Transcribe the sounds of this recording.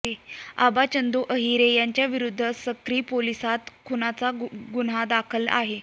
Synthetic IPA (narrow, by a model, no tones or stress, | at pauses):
ea̰bat͡ɕənd̪uʔəɦiɾejaɲt͡ɕjaʋiɾud̪ʱːəsəkɾiːpolisat̪kʰunat͡saɡunad̪akʰəla̰ɦe